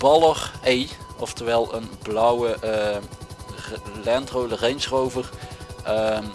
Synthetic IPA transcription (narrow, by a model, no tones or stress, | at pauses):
b̥ɑlˠəχejɔftəʋɛlˠənblɔwəʔ | lɛntrowlərejnsrowvərəm